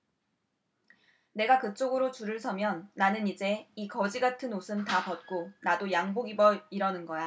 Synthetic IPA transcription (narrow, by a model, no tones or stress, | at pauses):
ne̞ɡakɯt͡ɕ͈oɡɯɾot͡ɕuɾɯɭsʰʌmjʌnːanɯnid͡ʑe̞ikʌd͡ʑiɡatʰɯnosʰɯmtapʌt̚k͈onadojaŋboɡibʌiɾʌnɯnɡʌja